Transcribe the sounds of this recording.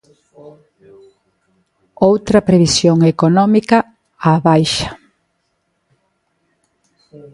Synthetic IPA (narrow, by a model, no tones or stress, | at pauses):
owt̪ɾɐpɾeβisjoŋekonɔmikɐ | aβajʃḁ